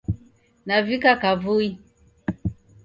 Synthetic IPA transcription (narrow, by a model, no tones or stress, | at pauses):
navikakavui